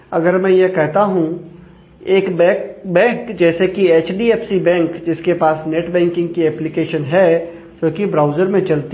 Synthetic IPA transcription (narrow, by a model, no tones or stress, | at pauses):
ɐɡəɾmɛ̃ːjekɛɦt̪aɦũ | eːkbɛbɛ̃ːŋkd͡ʒɛːsekieːt͡ʃɖieːpsibɛ̃ːŋkd͡ʒɪskepaːsneʈbɛ̃ːŋkɪ̃ŋɡkiɛːplɪkeːʃənɦɛ | soːkibɾaːʊzəɾmẽt͡ʃɐlt̪